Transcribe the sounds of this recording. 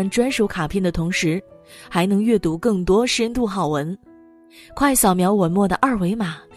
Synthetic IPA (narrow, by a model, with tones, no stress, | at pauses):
nʈ͡ʂwa˥nʂu˧˥kʰa˨˩pʰjɛ˥˩nd̪ə˩t̪ʰʊ˧˥ŋʂɻ̩˧˥ | xa˧˥ɪnɤ˧˥ŋɥɛ˥˩t̪u˧˥kɤ˥˩ŋt̪wɔ˥ʂɻə˥nt̪u˥˩xɑ˨˩ʊwə˧˥n | kʰwa˥˩ɪɕjɑ˨˩ʊmjɑ˧˥ʊwɔ˨˩mwɔ˥˩d̪ə˩ʔɐ˞˥˩we˧˥ɪma˨˩˦